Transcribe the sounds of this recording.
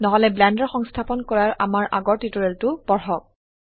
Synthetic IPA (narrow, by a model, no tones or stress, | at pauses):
nɔɦɔlɛblɛndɔɹxɔŋstʰapɔnkɔɹaɹʔa̰maɹʔaɡɔɹtitɔɹɛltʊpɔɹxɔk̚